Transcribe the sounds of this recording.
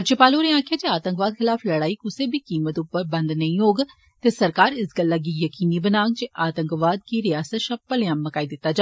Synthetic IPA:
t͡ʃepaːloːɾẽãːkʰjaːd͡ʒeaːt̪ə̃ŋkʋaːd̪kʰɪlaːfləɽaːiːkʊsebʱiːkiːmət̪ʊpːəɾbə̃nd̪nəĩɦoːɡ | t̪eːsəɾkaːɾɪsɡəlːaɡiːjəkiːnibənaːŋɡd͡ʒeʔaːt̪ə̃ŋkʋaːd̪̚kiɾɪjaːsət̪ʃapəljãːmːəkaːid̪ɪt̪ːaːd͡ʒa

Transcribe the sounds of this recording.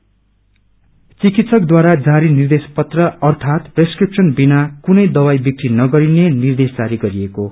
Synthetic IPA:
t͡sikit̪sʌkd̪waɾad͡zaɾinird̪espʌt̪rʌʌrt̪ʰat̪preskripsʌnbinakunʌjd̪ʌwajbjʌk̚t̪inʌɡʌɾinenird̪esd͡zaɾiɡʌɾieko

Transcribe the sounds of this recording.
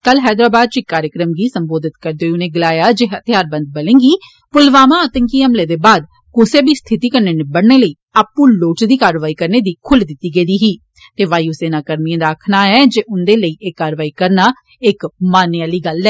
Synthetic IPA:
kəlɦɛːd̪ɾaːbaːd̪̚t͡ʃɪkːaːɾjəkɾəmɡiːsəmboːd̪ɪt̪kəɾd̪eːʊnẽːɡɪlaːjaːd͡ʒeːɦət̪ɪjaːɾbə̃nd̪̚bəlẽːŋɡiː | pʊlʋaːmãːət̪əŋkiːɦəmleːd̪eːbaːd̪̚ | kʊseːbiːst̪ʰɪt̪iːkəɾneːnebəɽneːləiːaːpːũːloːʈd̪iːkaːɾʋaːikəɾneːd̪iːkʰʊld̪ɪt̪ːiːɡeːd̪iːɦiː | t̪eːʋaːiːʊseːnaːkəɾniãːd̪aːkʰnaːɛːd͡ʒeːʔʊnd̪eːləiːʔeːkːaːɾʋaːiːkəɾnaː | ɪkmaːnɪjaːliːɡəlɛː

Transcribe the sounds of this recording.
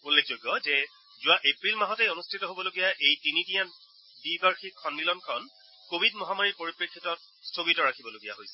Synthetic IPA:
ulːek̚ʰzojɡjɔzɛ | zʊwaʔepɹilmaɦɔteonustʰitɔɦobɔloɡijaʔejtinitijan | dikaɹxikʰːɔnːilɔnkʰɔn | kobʱidmɔɦamaɹipoɹipɹekʰːitɔt̚ | stʰoɡitɔɹakʰibɔloɡijaɦojsɛ̥

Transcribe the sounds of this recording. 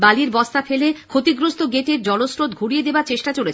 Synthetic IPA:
baliɾbɔst̪afelekʰot̪iɡɾost̪oɡeʈeɾd͡ʑɔlosɾot̪ɡʱuɽijed̪ebaɾt͡ɕeʃʈat͡ɕolet͡ɕʰ

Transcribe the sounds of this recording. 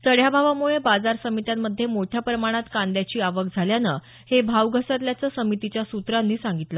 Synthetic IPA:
səɽ̤jabʱaʋamuɭebad͡zaɾsəmit̪jamːəd̪ʱːjemoʈʰjapɾəmaɽ̃at̪kand̪jat͡ɕiːaʋəkd͡zʱaljanə | hebʱaʋɡʱəsət̪ljat͡səːsəmit̪it͡ɕjasut̪ɾanːiːsãŋɡit̪la

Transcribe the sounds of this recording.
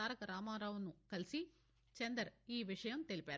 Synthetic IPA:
aːɾɐkɐɾaːmaːɾaːʋunukɐlisi | t͡ʃend̪ɐɾiːʋiʂɐjɐmt̪e̞lipaːɾ

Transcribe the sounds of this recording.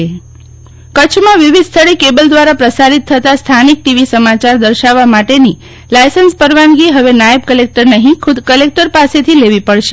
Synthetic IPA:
kət͡ʃʰmãʋiʋid̪st̪ʰəɭekebəld̪ʋaɾapɾəsaɾit̪ʰːət̪ast̪ʰanik̚ʈiʋisəmat͡ʃaɾd̪əɾʃaʋːamaʈeni | lajsənspəɾʋanɡiɦəʋenajəb̚kəlek̚ʈəɾnəɦĩkʰud̪kəlek̚ʈəɾpaset̪ʰileʋipəɭʃe

